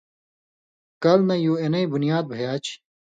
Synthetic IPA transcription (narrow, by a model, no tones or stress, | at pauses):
kɐlnɐjoːenɐibunijaːd̪̚bʱɐjaːt͡ɕʰ